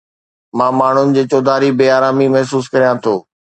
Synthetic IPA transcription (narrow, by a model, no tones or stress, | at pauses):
mãːmaːɳ̤ʊnɪ̆d͡ʑeːt͡ɕoːd̪ʱaːɾibeːaːɾaːmimɐɦsuːs̬kɐɾijãt̪ʰoː